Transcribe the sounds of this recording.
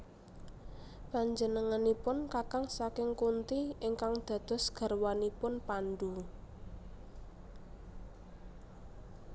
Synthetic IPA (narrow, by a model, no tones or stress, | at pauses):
paɲd͡ʒənəŋanipʊnkakaŋsakɪŋkunt̪iɪŋkaŋd̪̥ä̤d̪̥ɔ̤sɡ̥a̤rwanipʊnpanɖ̪u